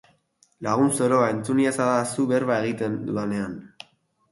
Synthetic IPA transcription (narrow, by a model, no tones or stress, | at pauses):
laɣ̞unso̞ɾo̞ae̞nt͡suniasaðasuβe̞ɾβae̞ɣit̪end̪uane̞an